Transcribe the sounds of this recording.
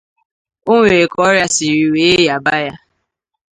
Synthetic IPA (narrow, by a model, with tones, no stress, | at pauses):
o˦ŋʷe˨kɔ˦ɾja˦si˨ɾi˨we˨˦ja˨ba˦ja˦